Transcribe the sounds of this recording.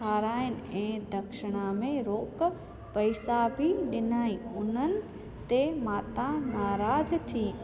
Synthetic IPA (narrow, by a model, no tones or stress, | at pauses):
aːɾaːɪnɪ̆ɛ̃ːd̪ɐkʃɪɽ̃ãmẽɾoːk | pɐɪsabʱiɗɪnaːĩʊn̤ənɪ̆ | t̪emaːt̪anaːɾaːzt̪ʰiː